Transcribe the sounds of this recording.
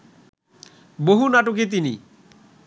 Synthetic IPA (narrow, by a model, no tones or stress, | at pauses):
boɦunaʈok̬et̪̬ini